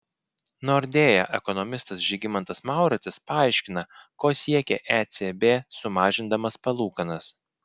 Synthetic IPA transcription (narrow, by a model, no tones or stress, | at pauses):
noːɾʲd̪ʲeːjɛʔɛkɔnɔmʲɪst̪ɐsʒʲiɡʲɪmɐnt̪ɐsmɑˑʊɾʲɐt̪ʲɪspɐɑˑɪʃʲkʲɪnɐkoːsʲiɛkʲɛʔæt̪sʲebʲeːsʊmɑːʒʲɪnd̪ɐmɐspɐlˠuːkɐnɐs